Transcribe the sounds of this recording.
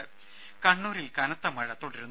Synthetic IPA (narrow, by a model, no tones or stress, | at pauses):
kɐɳːuːɾilkɐnɐt̪ːɐmɐɻɐt̪ːoɽiɾunː